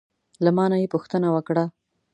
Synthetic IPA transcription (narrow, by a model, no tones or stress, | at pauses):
lamɑnajepuxt̪ənawəkɽa